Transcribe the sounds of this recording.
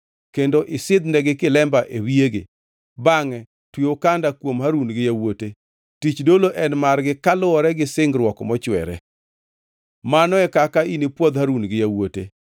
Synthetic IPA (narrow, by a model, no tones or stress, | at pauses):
kendoʔɪsɪd̪nɛɡɪkɪlɛmbaʔewieɡɪ̰ | baŋɛ | twiokandakwomhaɾunɡɪjawote | tit͡ʃdoloʔɛnmarɡɪkalʊɔɾɛɡɪsɪŋɡɾwɔkɔmɔt͡ʃwɛ̰ɾɛ̰ | manɔɛkakainipwod̪haɾunɡɪjawotḛ